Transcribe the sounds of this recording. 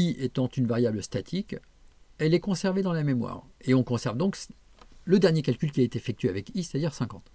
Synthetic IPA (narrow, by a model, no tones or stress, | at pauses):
iʔet̪ɑ̃t̪ynvaʁjabləst̪at̪ʰik | ɛlɛkɔ̃sɛʁved̪ɑ̃lamemwa̰ːʁeɔ̃kɔ̃sɛʁvd̪ɔ̃ks | ləd̪ɛʁnjekalkʲylk̬ʲiaet̪eefɛk̚t̪ɥeavɛkisɛt̪ad̪iʁsɛ̃kɑ̃t̪